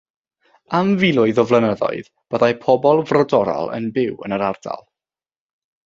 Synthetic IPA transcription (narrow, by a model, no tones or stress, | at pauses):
amvilˠʊɨðɔvlˠənəðɔ̰ɨð | b̥əðajpʰɔbɔlˠvrɔdɔɾɔ̰lˠə̰nbɪwə̰nəɾarda̰lˠ